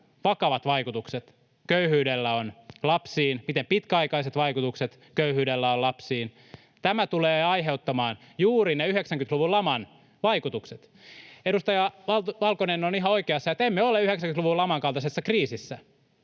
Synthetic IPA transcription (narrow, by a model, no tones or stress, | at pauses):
ʋɑkɑʋɑt̪ʋɑikut̪ukset̪ | køyhyːdelːæonlɑpsiːnmit̪empit̪kæɑikɑiset̪ʋɑikut̪ukset̪ | køyhyːdelːæolɑpsiːn | t̪æmæt̪uleːɑjɦeut̪ːɑmɑːn | juːɾineyheksæŋkynt̪luʋulɑmɑn | ʋɑikut̪ukset̪ | edust̪ɑjɑʋɑtʋɑlkonenːoniɦɑoikeɑsːɑet̪emːeoleyheksæŋkyt̪luʋulɑmɑŋkɑlt̪ɑsesːɑkriːsisːæ